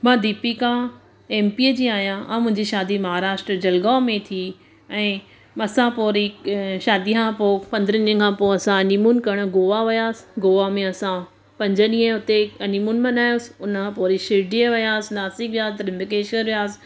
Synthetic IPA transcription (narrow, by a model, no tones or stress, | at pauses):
mãːd̪iːpikʰãː | eːmpiəd͡ʑĩːaːɦjãʔãːmʊ̃ɦɪ̃ɲd͡ʑiʃaːd̪imɐɦaːɾaːʃʈɾəd͡ʑɐlɡaːmẽt̪ʰi | ɛ̃ː | ɐsãpoːɾiʃaːd̪ikʰãpoːpɐ̃nd̪əɾənĩə̃kʰãːpoɐsãɐnimuːnkɐɾəɽ̃̆ɡoːʋaʋijaːsɪ̥ɡoːʋamẽɐsã | pɐ̃ɲd͡ʑənĩːə̃ɦʊt̪eɐnimunmɐ̃naːjoːsɪ̥ʊnkʰãpoːɾiʃɪɖiəʋijaːsɪnaːsikʋijaːst̪ɾɪmbɪkeːʃənʋijaːsɪ̥